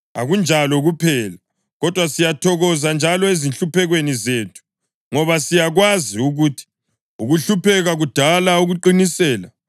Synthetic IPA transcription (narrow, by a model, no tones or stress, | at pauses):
a̰ɣund͡ʒʱalɔɣupʰɛːla | ɣɔd̥ʱwasijatʰɔɣɔzand͡ʒʱalɔezinɬupʰɛɣwenizeːtʰu̥ | ŋɔβasijaɣwaziuɣutʰi̥ | uɣuɬupʰɛɣaɣud̥ʱalauɣuǃinisɛːla